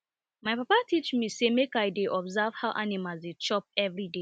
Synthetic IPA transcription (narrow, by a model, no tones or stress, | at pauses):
majpapatit͡ʃmisemekajdeʔɔbzav̥haʊʔanimalzit͡ʃɔp̚ɛvɹide